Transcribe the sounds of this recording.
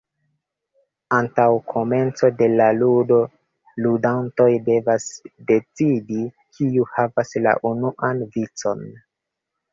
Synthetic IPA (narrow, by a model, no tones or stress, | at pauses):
antawkʰo̞me̞nt͡so̞de̞laludo̞ | ludanto̞jde̞vasde̞t͡sidi | kʰiuhavasla̰ʔunuʔanvit͡so̞n